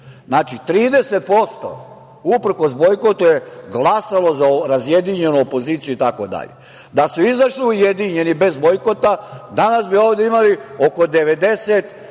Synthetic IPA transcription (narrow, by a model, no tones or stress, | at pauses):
znaːt͡ʃit̪ɾiːd̪e̞set̪̚po̞st̪o̰ | upr̩ko̞sbojkot̪ujeɡlˠasalo̞zaɾazjed̪iɲe̞nuopo̞ziːt̪sijuit̪akod̪a̰ʎe | d̪asuizaʃliujed̪iɲe̞nibe̞zbojkot̪ad̪anasbio̞ːʋd̪eimalio̞ko̞d̪e̞ʋed̪e̞set̪